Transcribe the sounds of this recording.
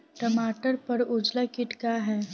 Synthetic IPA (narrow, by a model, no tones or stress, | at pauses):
ʈəmaːʈəɾpəɾʊd͡ʒlakɪʈkaɦɛː